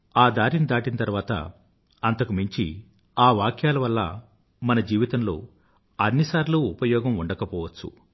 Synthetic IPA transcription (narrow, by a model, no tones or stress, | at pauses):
aːd̪aːɾinid̪aːʈinɐt̪ɐɾʋaːt̪ɐ̰ | ɐnt̪ɐkumiɲt͡ʃḭ | aːʋaːkʰjaːlɐʋɐlːɐ̰ | mɐnɐd͡ʒiːʋit̪ɐmlo̞̰ː | ɐnːisaːɾluːupɐjɔːɡɐmuɳɖɐkɐpɔːʋɐt͡ʃːṵ